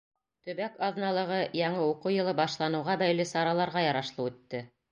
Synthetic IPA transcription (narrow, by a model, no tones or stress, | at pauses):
t̪ɵ̆βækɑðnɑlˠɤ̆ʁɤjɑɴɤuquwjɤ̆lˠɤbɑʃlˠɑnɤ̆wʁɑbæjlɘsɑɾɑlˠɑɾʁɑjɑɾɑʃlˠɤʉt̪ːɘ